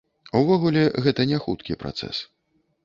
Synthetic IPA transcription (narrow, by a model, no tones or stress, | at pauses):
uvɔɣulʲɛɣɛt̪ɐnʲɛxut̪kʲipɾa̰t̪sɛ̰s